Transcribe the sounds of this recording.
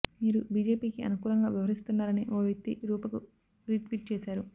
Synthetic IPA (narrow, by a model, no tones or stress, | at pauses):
miːɾubiːd͡ʒe̞ːpiːkiʔɐ̰nukuːlɐŋɡaːʋiʋɐɾist̪unːaːɾɐniʔoːʋet̪ːḭɾuːpɐku | ɾiːʈʋiːʈ̚t͡ʃɛːsaːɾu